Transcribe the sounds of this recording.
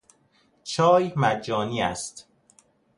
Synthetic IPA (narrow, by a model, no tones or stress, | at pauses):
t͡ʃʰɒːjmæd͡ʒːɒːniːæst̪